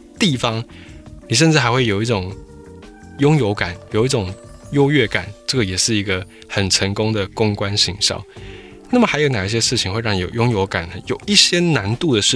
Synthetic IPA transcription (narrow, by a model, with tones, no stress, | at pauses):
t̪i˥˩fɑ˥ŋ | ni˨˩ʂ̬ə˥˧nʈ͡ʂɻ̩˥˩xa˧˥ɪxwe˥˩ɪjo˨˩ʊi˥˩ʈ͡ʂʊ˨˩ŋ | jʊ˥ŋjo˧˥ʊka˨˩˦njo˨˩ʊi˥˩ʈ͡ʂʊ˨˩ŋ | jo˥ʊɥɛ˥˩ka˨˩˦nʈ͡ʂə˥˩ɡə˩jɛ˨˩ʂɻ̩˥˩i˧˥ɡə˧ | xə˨˩nʈ͡ʂʰə˧˥ŋkʊ˥ŋd̪ə˨kʊ˥ŋkwa˦nɕi˧˥ŋɕjɑ̰˥˨˩ʊ | na˥˩mə˩xa˧˥ɪjo˧˥na˨˩i˥˩ɕ̬jɛ˥ʂɻ̩˥˩t͡ɕʰi˨ŋxwe˥˧ɪɻɑ˥˩ŋni˨˩jo˨˩jʊ˥ŋjo˧˥ʊka˨˩nə˦jo˨˩ʊi˥˩ɕjɛ˦na˧˦nt̪u˥˨d̪ə˩ʂɻ̩˥˩